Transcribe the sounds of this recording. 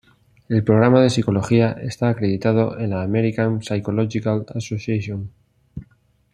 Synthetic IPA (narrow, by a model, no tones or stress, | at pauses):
e̞lpɾo̞ɣ̞ɾamað̞e̞siko̞lo̞xiaʔe̞̰st̪aːkɾe̞ðit̪að̞o̞ʔe̞nlaːmeɾikansajko̞loʝikalasosjaʃjon